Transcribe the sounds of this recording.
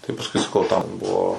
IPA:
tɐɪ pɐsˈkʊɪ sɐˈkɐʊ tɐm ˈbuɔ

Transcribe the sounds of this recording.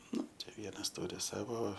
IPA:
ˈnʊ ˈt͡ʃʲɛ ˈʋʲiɛnɐs ˈtʊrʲɪ ˈsɑːʋoː

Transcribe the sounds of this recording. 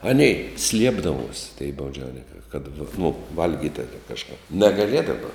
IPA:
ˈɑːnʲɛɪ ˈsʲlʲiɛbdɐʋuɔsʲ tʲɛɪ bɐʊˈd͡ʒʲɛʊnʲɪŋkɐɪ kɐt nʊ ˈʋɐlʲɡʲiːtʲ ˈtuɔkʲɛ kɐʃˈkɐp nʲɛɡɐˈlʲiɛdɐʋɐ

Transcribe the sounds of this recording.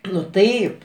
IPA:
nʊ ˈtɐɪp

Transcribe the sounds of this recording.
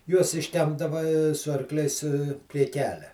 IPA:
juɔs ɪʃʲˈtʲɛmbdɐʋɐ sʊ ɐrˈklʲɛɪs pʲrʲiɛ ˈkʲæːlʲɛ

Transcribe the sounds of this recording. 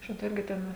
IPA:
ˈʃʲɪtɐ ˈɪrʲɡʲɪ ˈtʲɛn ɐ

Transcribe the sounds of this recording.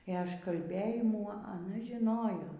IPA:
eː ɐʃkɐlʲˈbʲeːjɪmuː ɐˈnɐ ʒʲɪˈnoːjoː

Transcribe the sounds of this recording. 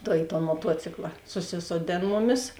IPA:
tɐɪ ɪ toːn moːˈtuɔt͡sʲɪklˠɐ sʊˈsʲɪsoːˌdʲeːn ˈmʊˌmʲɪs

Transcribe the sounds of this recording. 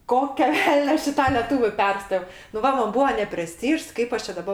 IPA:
ˈkoːkʲoː ˈʋʲɛlʲnʲoː ˈɐʃ ɪ tɐ lʲɛˈtuːʋʲʊ ˈpʲɛrstoː nʊ ˈʋɐ ˈmɐn ˈbuːoː nʲɛpʲrʲɛˈsʲtʲiːʃs ˈkɐɪp ɐʃ t͡ʃʲɛ dɐˈbɐ

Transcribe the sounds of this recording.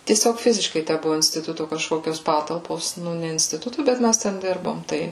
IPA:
tʲiɛˈsʲoːk ˈfʲɪzʲɪʃkɐɪ ˈtʲæ ˈbʊʋʊ ɪnʲsʲtʲɪˈtʊtʊ kɐʃˈkoːkʲoːs ˈpɑːtɐlˠpoːs ˈnʊ nʲɛ ɪnʲsʲtʲɪˈtʊtʊ ˈbʲɛt ˈmʲæs ˈtʲɛn ˈdʲɪrboːm ˈtɐɪ

